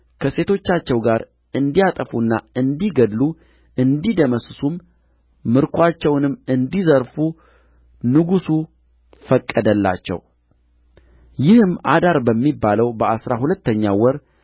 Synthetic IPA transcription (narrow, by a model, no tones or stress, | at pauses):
kʰəse̞t̪ʰo̞t͡ʃːat͡ʃːɛwɡaɾ | ɨnd̪ijat̪ʼəfunːaɨnd̪iɡəd̪lu | ʔɨnd̪id̪əməssumː | ɨɾkʰoat͡ʃːɛwnɨmːɨnd̪izəɾfu | nɨɡusu | fəkʼːəd̪əlːa̰t͡ʃːɛ̰w | jɪhɨma̰d̪aɾbəmːibːaləwbəasɾahulət̪ːəɲːawɔɾ